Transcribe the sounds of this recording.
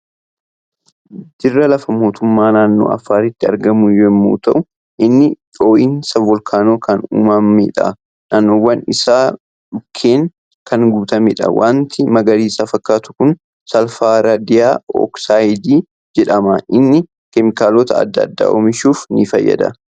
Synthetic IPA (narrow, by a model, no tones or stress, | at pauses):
d̪̥ɪrːɐlɐfɐmo̞ːt̪ʊmːaːnaːnːo̞̰ːʔɐ̰fːaːɾɪt̪ːɪɐ̰ɾɡɐmʊjɛmːṵːt̪ɐʔʊ | ʔɪnːɪ | oːʔinsɐɔlkʰaːno̞ːkɐnṵːmɐmḛːᶑɐ̰ | naːnːoːwːɐnɪsaː | ᶑʊkʰːe̞ːŋ | kʰɐŋɡʊbt̪ɐmɛᶑɐ̰wʔa̰ːnt̪ɪmɐɡɐɾiːsaːfɐkːaːt̪ʊ̥kʊn | sɐlfaːɾad̪ɪjaːɔ̰ksaːjɪd̪iː | d͡ʒɛᶑɐmɐʔɪnːɪ | kɛmɪkaːloːt̪ɐɐ̰d̪ːɐd̪ːa̰ːʔo̰ːmɪʃuːfnɪfɐ̰jːɐ̰d̪ɐ̰